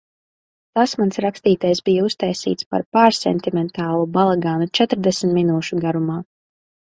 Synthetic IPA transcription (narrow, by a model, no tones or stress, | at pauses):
t̪asmansɾakst̪iːt̪ajsbijaust̪ajsḭːt̪spa̰ɾpaːɾsɛ̰nt̪imɛnt̪aːlˠubalˠaɡaːnut͡ʃɛt̪ɾd̪ɛsm̩t̪minuːʃuɡaɾumaː